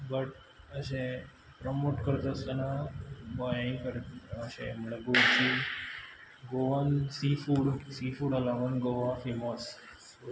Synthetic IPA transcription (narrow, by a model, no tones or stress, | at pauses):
bəʈ | əɕẽ | pɾɔmoʈkəɾt̪əst̪ənabɔjãĩkəɾt̪əɕḛ̃məɭeɡot͡ɕi | ɡoʋãnsifuːɽsifuːɽalaʋənɡoʋãfimɔs